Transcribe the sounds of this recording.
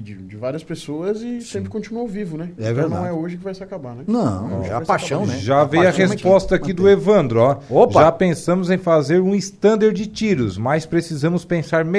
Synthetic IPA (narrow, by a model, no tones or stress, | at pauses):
d͡ʒɪd͡ʒɪvaɾiɐspesoɐzɪsẽmpɾɪkõt͡ʃinuɐvivʊnɛɛvẽɾd̃naɐ̃w̃ɛoʒɪkɪvajsɪakabanɛnɐ̃ʒaaspaʃɐ̃nɛʒavejɐhespɔst̪ɐkkid̪ʊevɐ̃nd̪ɾʊɔopʒapẽsɐ̃mʊzẽj̃fazeɾũɪst̪ɐ̃nd̪eɾd͡ʒɪt͡ʃiɾʊ̰smajspɾesizɐ̃mʊspẽsaɾm